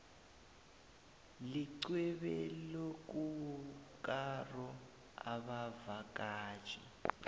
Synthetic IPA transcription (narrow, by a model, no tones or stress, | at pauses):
liǀwɛβɛlok̬ʼukʼarɔ | a̰βavakʼḁːt͡ʃʼḭ